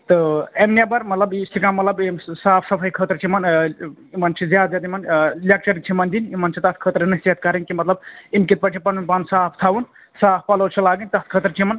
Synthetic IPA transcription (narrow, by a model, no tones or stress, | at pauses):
t̪ɨemnʲabɐɾmɐt̪lɐbst̪ʰikamːɐt̪lɐbemsaːpʰsɐpʰɐjkʰət̪ɾt͡ʃʰimɐn | imɐnt͡ʃʰizjaːd̪zʲjaːd̪imɐnlʲek̚t͡ʃɐɾikt͡ʃʰimɐnd̪inimɐnt͡ʃʰit̪ɐt̪̚ʰkʰəːt̪ɾinɐset̪̚kɐɾɐŋkimɐt̪lɐbimkit̪̚pɐʈʰipɐnunpansaːpʰt̪ʰawun | saːpʰpɐlolt͡ʃʰilaːɡinʲt̪ɐt̪̚ʰkʰəːt̪ɾt͡ʃʰimɐn